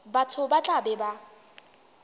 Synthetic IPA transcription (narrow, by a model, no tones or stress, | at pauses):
batʰʊbat͡ɬʼabɛba